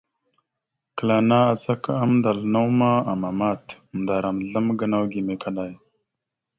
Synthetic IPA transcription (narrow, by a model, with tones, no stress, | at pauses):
kə˨la˨na˦a˨t͡sa˦ka˦mnda˨lna˦wma˦a˨ma˨ma˦˨t | m˨da˨ɾa˨mɮə˦mɡə˦na˦wɡi˨me˨kʰa˦ɗa˦˨j